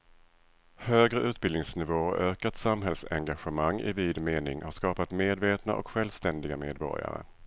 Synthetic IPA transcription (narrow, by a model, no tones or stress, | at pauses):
høːɡɾəʔʉ̟ːt̪̚bɪld̪ɪŋsnɪvoːøːkat̪samɦɛlsɛ̰ŋɡaɧəmaŋːɪ̰viːd̪meːnɪŋhaʂkɑːpat̪meːd̪veːt̪na̰ʔɔ̰kɧɛlvst̪ɛnd̪ɪɡameːd̪̚bɔ̰ɾja̰ɾə̰